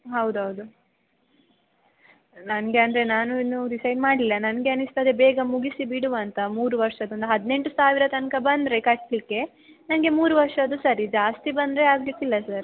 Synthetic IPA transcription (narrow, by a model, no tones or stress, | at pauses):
ɦɐwd̪uɦɐwd̪u | nɐnɡe̞ɐnd̪ɐɾe̞naːnuinːuɾisɐjɖmaːɽlilːɐnɐnɡe̞ɐnːist̪ad̪ebeːɡɐmuɡisibiɽuʋɐnt̪ɐmuːɾuʋɐɾʂɐd̪ind̪ɐɦɐd̪ne̞ɳʈusaːʋiɾɐt̪ɐnkɐbɐnd̪ɾe̞kɐʈːlikːe̞ | nɐnɡe̞muːɾuʋɐɾʂɐd̪usɐɾid͡ʒaːst̪ibɐnd̪ɾe̞aːɡlikːilːɐsɐɾ